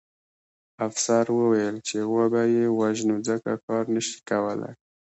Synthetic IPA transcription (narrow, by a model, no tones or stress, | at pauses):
afsaɾwəwajəlt͡ʃewəbajewaʒnud͡zəka̰kɑɾnəʃi̥kawəla̰j